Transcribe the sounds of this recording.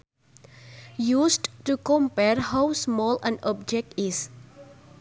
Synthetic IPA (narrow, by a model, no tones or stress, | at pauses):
jusdtukɔmpɛɹhawsmɔlɛ̰̃nʔɔp̚d͡ʒɛk̚tis